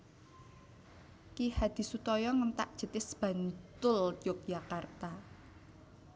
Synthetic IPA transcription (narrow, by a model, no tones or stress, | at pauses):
kihad̪̥i̤sut̪ɔjɔŋənt̪a̰ʔd̥ʒ̥ə̤t̪ɪsb̥ä̤nt̪ʊlt͡ʃʊk̚jakart̪a